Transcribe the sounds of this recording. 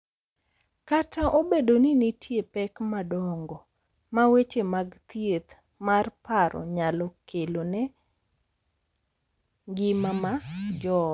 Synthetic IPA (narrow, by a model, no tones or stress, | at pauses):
katʰaʔobedoninitjepɛkmadɔŋɡɔ | mawet͡ʃemaɡt̪jet̪ | marpaɾɔ̰ɲalɔkʰelonɛ | ɡɪmamad͡ʒɔ